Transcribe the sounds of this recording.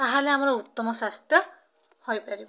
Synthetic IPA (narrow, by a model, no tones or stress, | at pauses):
t̪aɦalɛamaɹɔut̪ːɔmɔsast̪jɔ | hojpaɹibɔ